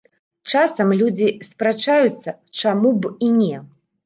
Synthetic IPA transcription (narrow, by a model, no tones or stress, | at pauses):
t͡ʂasɐmlʲud͡zʲispɾat͡ʂajut̪sːɐ | t͡ʂamubinʲɛ